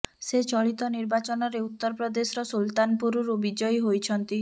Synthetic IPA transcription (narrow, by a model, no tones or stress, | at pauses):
set͡ʃɔɭit̪ɔniɾbat͡ʃɔnɔɾeut̪ːɔɾpɾɔd̪esɾɔsult̪anpuɾuɾubid͡ʒɔjɦojt͡ʃʰɔnt̪i